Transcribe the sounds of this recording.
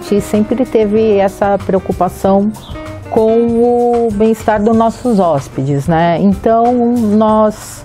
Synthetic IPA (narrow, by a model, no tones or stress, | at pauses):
t͡ʃɪsẽmpɾɪt̪evɪɛsɐpɾeokupasɐ̃w̃ | kõw̃ʊbẽj̃ist̪aɾd̪ʊznɔsʊzɔspɪd͡ʒɪznɛẽnt̪ɐ̃w̃nɔs